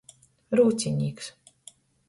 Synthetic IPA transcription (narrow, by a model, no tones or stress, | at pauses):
ɾuːt̪sʲiɲʲiːks